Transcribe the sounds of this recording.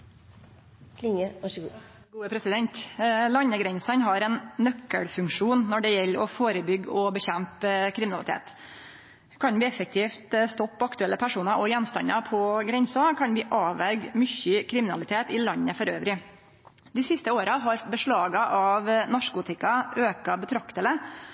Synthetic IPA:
lɪŋəʋɑʂəɡṵː | ɡuːəpʰɾɛsɪd̪ɛnt̪lɑɲːəɡɾɛnsɑnɦɑɾɛnːœkːəɽfʉŋkʂuːnnɔɖɛjɛlːɔfoːɾəbʏɡɔbəçɛmpkʰɾɪmɪnɑlɪt̪ḛːt̪ | kʰɑnʋɪːɛfək̚t̪ʰiːft̪st̪ɔpʰːɔɑkt̪ʉɛlːəpʰæʂuːnɑɾʔɔjɛnst̪ɑ̰nːɑpʰɔɡɾɛnsɑkʰɑnʋɪʔɑːʋæɾɡmʏçəkʰɾɪmɪnɑlɪt̪ʰeːt̪ɪlɑnːəfɔɾøːʋɾɪ | d̪ɪsɪst̪əoːɾɑɦɑɾbəʂɭɑːɡɑʔɑʋnɑʂkʊt̪ʰɪkːɑʔøːkɑbət̪ʰɾɑkt̪ələ

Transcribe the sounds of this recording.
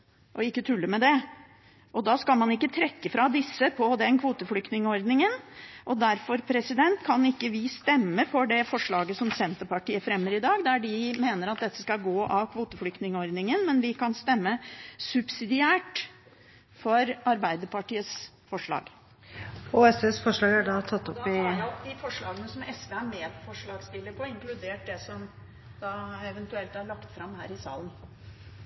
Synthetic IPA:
ʔɔɪkːət̪ʰʉlːəmɛd̪ɛ | ʔɔd̪ɑːskɑlmɑnɪkːət̪ʰɾɛkːəfɾɑd̪ɪsːəpʰɔd̪ɛnkʰʋuːt̪əflʏk̚t̪nɪŋəɔɾd̪nɪŋənʔɔd̪æɾfɔɾpʰɾɛsɪd̪ɛnt̪kʰɑnɪkːəʋɪst̪ɛmːəfɔɖɛfɔʂɭɑːɡəsɔmsɛnt̪əpɑʈiːəfɾɛmːəɾɪd̪ɑːɡd̪æɖɪmeːnəɾɑt̪̚d̪ɛt̪ːə̥skɑlɡoːʔɑʋkʰʋuːt̪əflʏkt̪nɪŋəɔɾd̪nɪŋənmɛnʋɪkʰɑnst̪ɛmːəsʉbsɪd̪ɪæːʈ | fɔɾɑɾbæɪd̪əpɑʈiːəsfɔʂɭɑ̰ːɡ | ɔɛsesfɔʂɭɑːɡæɖɑt̪ʰɑt̪ːɔpːɪd̪ɪfɔʂɭɑ̰ːɡənəsɔmɛsʋeæmeːpʰɔfɔʂɭɑːɡst̪ɪlːəɾpʰɔɪŋklʉd̪eːʈ̚d̪ɛsɔm | d̪ɑɛʋɛnt̪ʉɛlt̪æɭɑkt̪fɾɑmhɦæ̰ːɾɪsɑ̰ːlən

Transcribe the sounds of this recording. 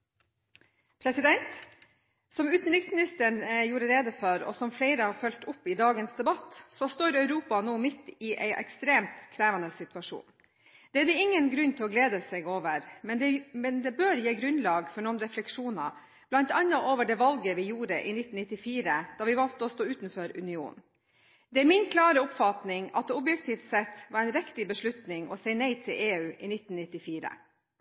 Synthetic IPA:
pʰɾɛsɪd̪ɛnt̪ | sɔmʉːt̪n̩ɾɪksmɪnɪst̪əɳjuːɾəɾeːd̪əfɔɾɔ̰sɔmfleɪɾəhɑɾfœlt̪ʊpːɪd̪ɑːɡənsd̪ɛbɑt̪ːsɔst̪oːɾœʉɾuːpɑnuːmɪt̪ːɪʔɛɪʔɛ̰kst̪ɾeːmt̪kʰɾeːʋɑnəsɪt̪ʉɑʂṵːn | d̪̥ɛæɾɛɪŋːənɡɾʉnːt̪ʰɪlɔɡleːd̪əsɛɡoːʋəɾmɛnd̪ɛmɛnd̪ɛbøːɾjeːɡɾʉnlɑːɡfɔɳoːənɾɛflɛkʂuːnɑ̰ | b̥lɑnt̪ɑnːɑʔoːʋəɖɛːʋɑlɡəʋɪjuːɾəʔɪ̰nɪt̪ːn̩ɪt̪ːɪfiːɾəd̪̥ɑːʋɪʋɑlt̪əɔst̪oːʉːt̪n̩føːɾʉ̰nɪṵːn | d̪ɛæɾmɪnkʰlɑːɾəʊpfɑt̪nɪŋɑ̰t̪̚d̪ɛʊbjɛkt̪ʰiːft̪sɛt̪ːʋɑɾɛɪnɾɛkt̪ɪbəʂlʉt̪nɪŋɔ̰sɛɪnɛɪt̪ʰɪlʔeːʉːʔɪnɪt̪ːnnɪt̪ːɪfiːɾə̰

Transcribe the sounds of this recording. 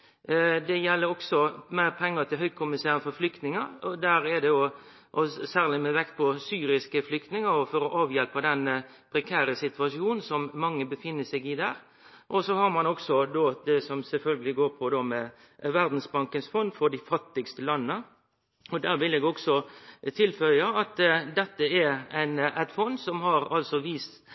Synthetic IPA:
d̪ɛjɛlːəɾɔksɔmæɪɾpʰɛŋːət̪ʰɪlɦœʏkʰʊmɪseːɾənfɔɾflʏkt̪nɪŋəɾɔd̪æːɾɛd̪ɛɔ | ʔɔsæːʁlɪmɛʋɛkt̪̚pʰɔsyːɾɪskəflʏkt̪nɪŋəɾɔfɔɾɔʔɑːʋjɛlpɑd̪ɛnːə | pʰɾɛkʰæːɾəsɪt̪ʋɑʂjuːnn̩sɔmːɑŋːəbəfɪnːəsɛɡɪd̪æːɾ | ʔɔsɔhɑɾmɑnɔksɔd̪oːd̪ɛsɔmsɛlfœlɡəlɪɡoːɾpʰɔd̪oːmɛ | ʋæɾd̪n̩sbɑŋkənsfɔnd̪fɔɾɖ̪ɪfɑt̪ːɪɡst̪əlɑnːə | ɔd̪æːɾʋɪlɛɡɔksɔt̪ʰɪlfœʏɑɑt̪d̪ɛt̪ːəɛɾæɪnæɪt̪fɔnd̪sɔmɦɑɾɑlsɔʋiːst̪

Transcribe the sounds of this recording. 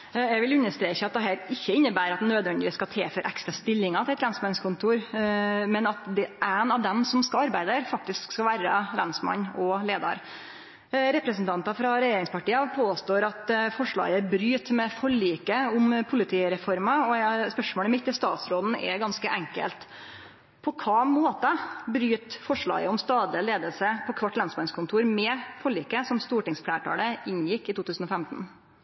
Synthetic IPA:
ɛʋɪlʉnːəʂt̪ɾeːçəɑt̪̚d̪ɛɦæːɾɪçːəɪnːəbæːɾɑt̪̚d̪ɛnøːd̪ʋɛnd̪ɪʋɪskɑt̪ʰḛːføɾʔæ̰kst̪ɾɑst̪ɪlːɪŋɑt̪ʰɪlɛt̪ɾɛnsmɑnskʰʊnt̪ʰuːɾmɛnɑt̪d̪ɛʔænɑʋd̪ɛmsɔmskɑlɑɾbæɪd̪əæɾfɑk̚t̪ɪskskɑlʋæːɾəɾænsmɑ̰nɔleːd̪ɑ̰ɾ | ɾɛpɾəsn̩t̪ʰɑnt̪ɑfɾɑɾɛjeːɾɪŋspʰɑʈiːɑpʰoːst̪oːɾɑt̪fɔʂɭɑ̰ːɡəbɾyːt̪mɛfɔɭiːkəʊmpʰʊlɪt̪ʰiːɾɛfɔɾmɑɔspœʂmoːləɛmɪt̪ːɪst̪ɑːt̪sɾoːd̪n̩ɛ̰ɡɑnskəʔɛŋkə̰lt̪ | pʰɔkʰɑːmoːt̪ɑbɾyːt̪fɔʂɭɑ̰ːɡəʊmst̪ɑːd̪lɪəleːd̪əlsəpʰɔkʰʋɑʈːlɑnsmɑnskʰʊnt̪ʰuːɾmɛfɔɭiːkəsɔmst̪uːʈɪŋsflæːʈʰɑ̰ːləɪnjɪkːɪt̪uːt̪ʉːsn̩ɔfɛmt̪n̩

